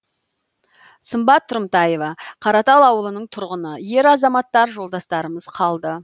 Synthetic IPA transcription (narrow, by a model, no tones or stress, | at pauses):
səmbɑt̪ʰːʊɾmt̪ɑje̞vɑqʰɑɾɑt̪ɑlˠɑwəlˠənəɴt̪ʰʊɾʁənəje̞ɾɑzɑmɑt̪ːɑɾʒo̞lˠd̪ɑst̪ɑɾəməz̥qʰɑlˠd̪ə